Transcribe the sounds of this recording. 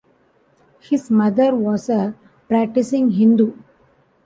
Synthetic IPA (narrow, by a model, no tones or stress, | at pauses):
hɪsmʌd̪əɾʋɔːsə | pɾæk̚ʈɪsɪ̃ŋɦɪ̃nd̪u